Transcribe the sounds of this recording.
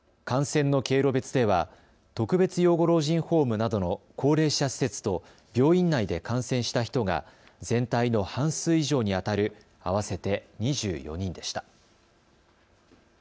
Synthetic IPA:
kãɰ̃sẽ̞nːo̞ke̞ːɾo̞be̞t͡sɨd̪e̞β̞a | t̪o̞kɯ̟be̞t͡sɨjo̞ːɡo̞ɾo̞ːʑĩɰ̃ho̞ːmɯ̟nad̪o̞no̞kʰo̞ːɾe̞ːɕasi̥se̞t͡sɨ̥t̪o̞ | bʲo̞ːĩnːaid̪e̞kãɰ̃sẽɕi̥t̪açi̥t̪o̞ɡa̰ | zẽ̞nt̪aino̞hãɰ̃sɨːiʑo̞ːɲ̟iat̪aɾɯ̟ | aβ̞ase̞t̪e̞ɲ̟iʑɨ̰ːjo̞̰ɲ̟ĩnd̪e̞ɕi̥t̪ḁ

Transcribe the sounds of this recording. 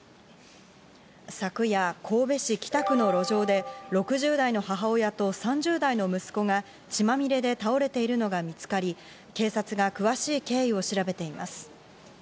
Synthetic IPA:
sakɯ̟jakʰo̞ːbe̞ɕikʲi̥t̪akɯ̟no̞ɾo̞ʑo̞ːd̪e̞ɾo̞kɯ̟ʑɨːd̪aino̞ɦaɦao̞jat̪o̞sãɲ̟d͡ʑɨːd̪aino̞mɯ̟sɨ̥ko̞ɡa | t͡ɕimamʲiɾe̞d̪e̞t̪ao̞ɾe̞t̪e̞iɾɯ̟no̞ɡamʲit͡sɨ̥kaɾʲi | ke̞ːsat͡sɨɡakɯ̟βaɕiːke̞ːio̞ɕiɾabe̞t̪e̞ima̰sɨ̥

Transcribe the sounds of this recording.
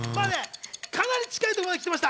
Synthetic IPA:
manekʰanaɾʲit͡ɕi̥kait̪oad̪ekʲit̪emaɕ̬i̥t̪a

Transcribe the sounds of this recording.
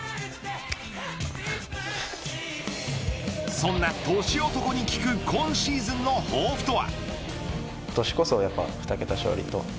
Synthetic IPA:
sõ̞nːat̪o̞ːɕio̞t̪o̞ko̞ɲ̟ikʲi̥kɯ̟kʰõ̞ɰ̃ɕiːzɨ̃nːo̞hoːɸɯ̟̥t̪o̞βa̰ | t̪oɕi̥ko̞so̞ːjapːa̰ɸɯ̥t̪ake̞t̪aɕo̞̰ːɾʲḭt̪o̞

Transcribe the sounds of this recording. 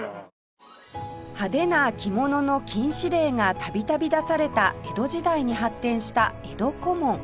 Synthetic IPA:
had̪e̞nakʲimo̞no̞no̞kʲĩɰ̃ɕiɾe̞ːŋat̪abʲit̪abʲid̪asaɾe̞t̪ae̞d̪o̞ʑid̪aiɲ̟iɦat̪ːẽ̞ɰ̃ɕi̥t̪a | e̞d̪o̞ko̞mõ̞ŋ

